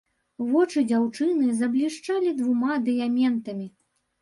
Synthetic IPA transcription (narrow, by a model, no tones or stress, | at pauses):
vɔt͡ʂɨd͡zʲawt͡ʂɨnɨzɐblʲiʂt͡ʂalʲid̪vumad̪ɨjamʲɛnt̪ɐmʲi